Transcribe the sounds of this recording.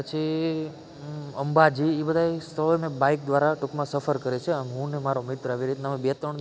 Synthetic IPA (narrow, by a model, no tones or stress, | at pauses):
pət͡ʃʰi | əmbad͡ʒiebəd̪ʱaest̪ʰəemẽbaik̚d̪ʋaɾaʈʊkmãsəfəɾkəɾet͡ʃʰeənɦũnemaɾomɪt̪ɾəaʋiɾit̪enamẽbet̪ɾəɳ